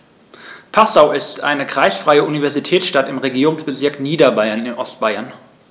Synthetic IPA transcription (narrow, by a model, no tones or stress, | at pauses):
pʰasaʊɪstʔa̰ɪnəkʁ̥aɪsfʁ̥aɪəʔunivɛɐzitʰɛːsʃtatɪmʁeɡiːʁʊŋsb̥əzɪɐkniːdɐbaɪɐnɪnʔɔstb̥aɪɐn